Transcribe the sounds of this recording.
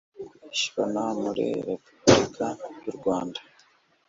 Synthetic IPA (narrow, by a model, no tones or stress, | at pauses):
ʃi̥βonamuɾḭɾepublikʰajuɾɡwaːndḁ